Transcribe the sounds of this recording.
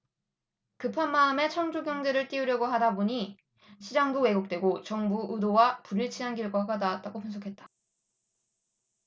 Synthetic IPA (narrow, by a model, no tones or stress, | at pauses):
kɯpʰanmaɯme̞t͡ɕʰʌŋd͡ʑoɡjʌŋdɯɾɯɭt͈iuɾjʌɡoɦadaboɲi | ɕʰid͡ʑaŋbuwe̞ɡok̚t͈we̞ɡot͡ɕʌŋbuʔudowapuɾiɭt͡ɕʰianɡiɭɡʌk͈adat̚t͈aɡopunsʰʌkʰe̞t̚t͈ḁ